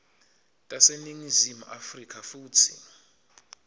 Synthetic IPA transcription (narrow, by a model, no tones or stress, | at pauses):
tʼaseniŋizimuʔafrikʰafuːtʰḭ